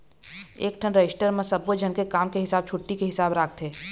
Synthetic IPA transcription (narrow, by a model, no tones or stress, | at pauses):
ḛːkʈʰənɾɐɪsʈəɾmẽsɐbod͡ʒʱənkekaːmkeɦɪsaːb̚t͡ʃʰʊʈːikeɦɪsaːbɾaːkʰt̪ɦeː